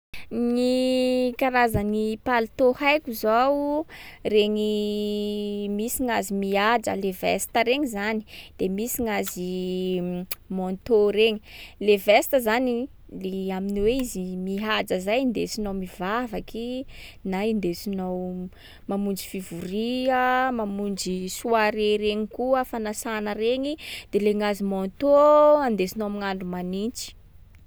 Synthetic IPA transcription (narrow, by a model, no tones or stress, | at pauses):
nikaɾazənipalit̪ohajkuzaw | reŋi | misiŋazimiad͡ʒə̰levɛ̰st̪əɾeŋizani̥d̪̥emisiŋazi | mont̪oɾeŋilevɛst̪əzani | leaminiweizimiɦad͡zəzajind̪esinowmivavakinaind̪esinow | mamund͡ʒifivuɾiəmamund͡ʒisuaɾeɾeɲikuəfanasanəɾeɲid̪̥eleŋazimɔnt̪oand̪esinomiŋaɳɖ͡ʐumanint͡ʃi̥